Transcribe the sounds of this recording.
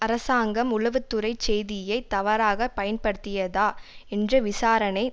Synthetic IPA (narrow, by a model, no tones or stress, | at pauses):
ɐɾɐsaːŋɡɐmʊlɐʋɯt̪ːɯɾɐɪt͡ʃːɛjðɪjɐɪt̪ːɐʋɐɾaːɣɐpɐjɐnpɐɽɯt̪ːɪjɐðaːɛndrɐʋɪsaːɾɐnɐɪ